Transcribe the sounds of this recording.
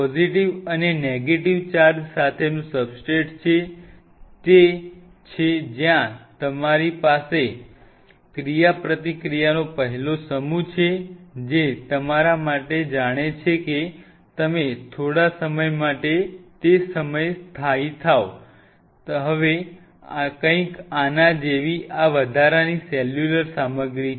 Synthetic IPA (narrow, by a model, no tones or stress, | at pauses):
pɔziʈiʋəneneɡeʈiʋt͡ʃaɾd͡ʒsat̪ʰenũsəbsʈeʈt͡ʃʰe | t̪e | t͡ʃʰed͡ʒjãt̪əmaɾipase | kɾijapɾət̪ikɾijanopəɦɛlosəmut͡ʃʰed͡ʒet̪əmaɾamaʈed͡ʒaɽ̃et͡ʃʰeke | t̪əmet̪ʰoɽasəməjmaʈet̪esəməjst̪ʰait̪ʰao | ɦəʋe | kə̃ĩkanad͡ʒeʋiʔaʋəd̪ʱaɾanisɛljuləɾsaməɡɾi